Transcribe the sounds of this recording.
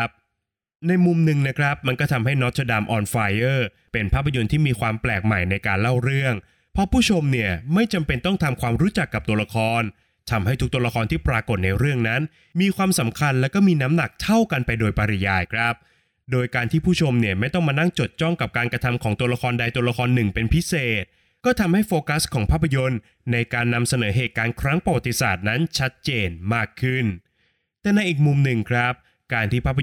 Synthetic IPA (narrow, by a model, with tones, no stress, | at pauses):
p̚ | na˧jmu˧mnɯ˧ŋna˦˥kʰɾa˦˥p̚ma˧nkɔː˥˩t̪ʰa˧mɦa˥˩jnɔ˦˥t̪̚t͡ɕʰa˧daː˧mʔɔː˧nfaː˧jɤː˥˩ | pe˧npʰaː˥˩pʰːa˧jo˧nt̪ʰiː˥˩miː˧kʰwaː˧mplɛː˨˩k̚ma˨˩jna˧jkaː˧nla˥˩wɾɯ˥˩əŋ | pʰɾɔ˦˥pʰuː˥˩t͡ɕʰo˧mni˥˩əma˥˩jt͡ɕa˧mpe˧nt̪ɔ˥˩ŋt̪ʰa˧mkʰwaː˧mɾuː˦˥t͡ɕa˨˩kːa˨˩p̚t̪u˧ɐla˧kʰɔː˧n | t̪ʰa˧mha˥˩jt̪ʰu˦˥k̚t̪u˧ɐla˧kʰɔː˧nt̪ʰiː˥˩pɾaː˧ko˨˩t̪̚na˧jɾɯ˥˩əŋna˦˥n | miː˧kʰwaː˧msa˩˦mkʰa˧nlɛː˦˥wkɔ˥˩miː˧na˦˥mna˨˩k̚t̪ʰa˥˩wka˧npa˧jdoː˧jpa˧ɾi˦˧jaː˧jkʰɾa˦˥p̚ | doː˧jkaː˧nt̪ʰiː˥˩pʰuː˥˩t͡ɕʰo˧mni˦˥˩əma˥˩jt̪ɔ˥˩ŋmaː˧na˥˩ŋt͡ɕo˨˩t̪̚t͡ɕɔ˥˩ŋka˨˩p̚kaː˧nkɾa˧t̪ʰa˧mkʰɔː˩˦ŋt̪u˧ɐla˧kʰɔː˧nda˧jt̪u˧ɐla˧kʰɔː˧nːɯ˨˩ŋpe˧npʰi˦˥seː˨˩t̪̚ | kɔː˥˩t̪ʰa˧mha˥˩jfoː˧ka˦˥skʰɔː˩˦ŋpʰaː˦˥˩pʰːa˧jo˧nː | a˧jkaː˧nːa˧msa˧nɤː˩˦ɦeː˨˩t̪̚kaː˧nkʰɾa˦˥ŋpɾa˧wa˨˩t̪ːi˦˧saː˨˩t̪̚na˦˥nt͡ɕʰa˦˥t̪̚t͡ɕeː˧nmaː˥˩kʰːɯ˥˩n | t̪ɛː˨˩na˧jʔiː˨˩k̚mu˧mnɯ˨˩ŋkʰɾa˦˥p̚ | kaː˧nt̪ʰiː˥˩pʰaː˦˥pʰː